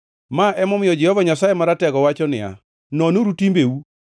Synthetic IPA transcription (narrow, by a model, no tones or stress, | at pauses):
maʔɛmɔmɪjɔd͡ʒɛhɔvaɲasajemaɾatɛɡɔwat͡ʃɔnɪa̰ | nɔnoɾutimbeu